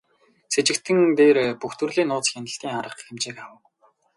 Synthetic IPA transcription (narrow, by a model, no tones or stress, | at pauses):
set͡ɕɪ̆kt̪ʰɘ̆ŋt̪eːrpuxt̪ɵ̆rɮiːnːʊːt͡sxʲjanə̆ɬt̪iːŋaɾə̆qxĕmt͡ɕeːkawə̆w